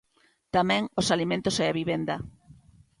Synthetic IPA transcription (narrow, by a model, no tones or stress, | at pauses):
t̪amɛ̃ŋosalimẽnt̪osɛaβiβend̪ɐ